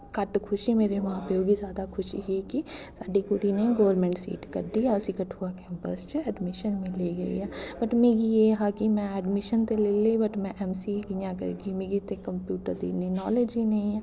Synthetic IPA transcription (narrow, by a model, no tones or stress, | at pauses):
kɐʈkʰʊʃimeːɾeʋɐɦãpeoːɡizjaːd̪akʰʊʃiɦikisaːɖikʊʈineɡoːəɾmẽːɳʈsḭːʈkɐɾd̪iaʊsikɐʈʰuːakɛ̃ːmpə̰st͡ʃɛːɖmɪʃənmẽleːɡɐḭɦɛ̃ːbɐʈmeːɡijeɦakimɛ̃ɛːɖmɪʃənt̪eleːlebɐʈmɛ̃ʔɛːmsilijãkɐ̰ɾ̰ɡimeːɡit̪ekɐ̃mpjuːʈəɾd̪ḭːninɔːleːd͡ʒinɐĩɛ̃